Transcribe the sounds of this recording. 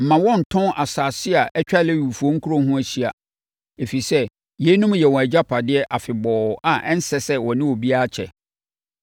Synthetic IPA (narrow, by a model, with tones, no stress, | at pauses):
m̩˨mã˨wɔ̃˦˨n̩˨tʰɔ̃˦ʔa˨saː˨sɪ˦a˨ʔɛ˦t͡ɕᶣa˦le˦wu˨fu˨o˦ŋ̩˦kʰu˦ɾo˦ɦũ˦æ˨ɕi˦a˨ | e˨fi˨sɛ˦ | jɛ˦nũ˦m˦jɛ˨wɔ̃˨æ˨d͡ʑa˦pʰa˨dɪ˦ɛ˦ʔa˨fɪ˨bɔː˨ʔa˨ʔɛ˦n̩˦sɛ˦sɛ˦wɔ̃˨nɪ̃˦wɔ˨bi˦a˦a˦t͡ɕʰɛ̰˨